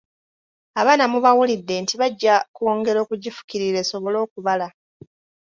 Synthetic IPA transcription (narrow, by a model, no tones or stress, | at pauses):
aβaːnamuβawulidːe̞ntiβaɟːakoːŋɡe̞ɾo̞ːkuɟifu̥kiɾiɾe̞so̞βo̞lo̞ːkuβala